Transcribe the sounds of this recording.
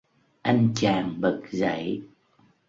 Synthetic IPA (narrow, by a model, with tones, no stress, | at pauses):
ʔa˧jŋt͡ɕaː˨˩ŋɓə˨˩k̚za̰˧˩˦j